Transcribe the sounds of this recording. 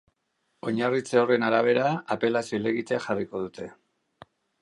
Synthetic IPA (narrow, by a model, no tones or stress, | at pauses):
o̞ɲarit͡seo̞re̞naɾaβ̞e̞ɾaape̞lasiole̞ɣit̪exariko̞ðut̪ʰe̞